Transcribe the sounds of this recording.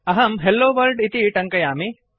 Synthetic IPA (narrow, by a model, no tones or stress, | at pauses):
ɐɦɐmɦelːoːʋɐɾɖɪt̪iʈɐŋkɐjaːmi